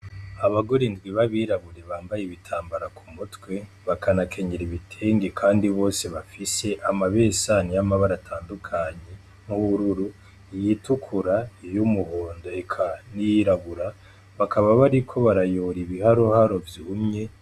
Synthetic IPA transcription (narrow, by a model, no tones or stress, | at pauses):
aβaɡo̞ɾindɡwiβaβiːɾaβuɾe̞βaːmbajeβitʰaːmbaɾakʰumutwe | βakanakʰe̞ɲeɾiβitʰe̞ːŋɡekʰaːndiβo̞ːse̞βafise̞ʔamaβe̞sanijamaβaɾatʰaːndukʰaɲe̞ | nuβuɾuɾu | ijitukʰuɾajumuho̞ːndo̞ekʰanijiɾaβuɾa | βakʰaβaβaɾikʰo̞βaɾajoːɾiβihaɾohaɾo̞vjuumɲe̞